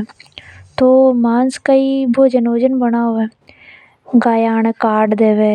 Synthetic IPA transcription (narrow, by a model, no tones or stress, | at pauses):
t̪oːmaːnskaiːbʱoːd͡ʒənoːd͡ʒənbənaːoɛ | ɡaːjaːɳkaːɖd̪eːʋeː